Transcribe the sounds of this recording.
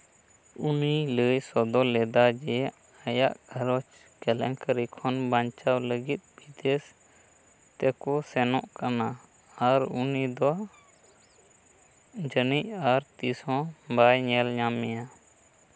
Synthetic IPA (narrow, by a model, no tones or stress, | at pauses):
uniləjsɔd̪ɔlɛd̪ad͡ʒɛ | ajaʔɡʰʱəɾɔt͡ʃ | kɛlɛ̰ŋkəɾikʰɔnbaɲt͡ʃawləɡit̪̚ˀbid̪ɛs | t̪ɛkɔsɛnɔʔkana | aɾunid̪ɔ | d͡ʒənic̚aɾt̪isɔ̃bajɲɛlɲamɛja